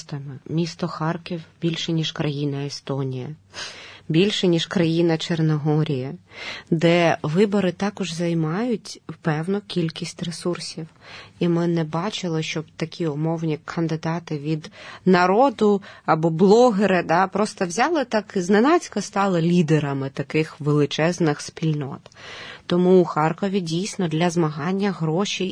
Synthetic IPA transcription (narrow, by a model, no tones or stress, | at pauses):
t̪ɐmɪmʲist̪ɔxɑrkʲiwbʲilʲʃɛnʲiʒkɾɐjinɐest̪ɔnʲijɐ̰ | bʲilʲʃɛnʲiʃkɾɐjinɐt͡ʃernɐɦɔɾʲijɐd̪ɛʋɪbɔɾɪt̪ɑkɔʒzɐjmɑjʊtʲwpɛwnʊkʲilʲkʲisʲtʲresursʲiwimɪnɛbɑt͡ʃɪlˠɪʃt͡ʃɔbt̪ɐkʲiɔmɔwnʲikʰɐnd̪ɪd̪ɑt̪ɪʋʲid̪nɐɾɔd̪ʊɐbɔblˠɔɦeɾɪd̪ɑpɾɔst̪ɔwzʲɑlˠɪt̪ɑkznenɑt͡sʲkɐst̪ɑlˠɐlʲid̪eɾɐmɪt̪ɐkɪxʋelˠɪt͡ʃɛznɪxspʲilʲnɔ̰t̪t̪ɔmuːxɑrkɔʋʲidʲijsʲnɔd̪lʲɐzmɐɦɑnʲːɐɦɾɔʃʲi